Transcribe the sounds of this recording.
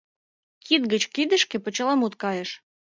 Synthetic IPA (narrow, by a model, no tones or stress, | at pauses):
kʰid̪̚ɡə̆t͡ɕkid̪ə̆ʃkĕpə̆t͡ɕə̆lˠɑmut̪kɑjeʃ